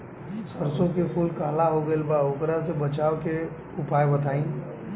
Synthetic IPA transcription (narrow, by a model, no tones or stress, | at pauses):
səɾsõkepʰuːlkaːlaɦoɡəelbaokɾasebət͡ʃaːwke | ʊpaːjbət̪ʰaːĩ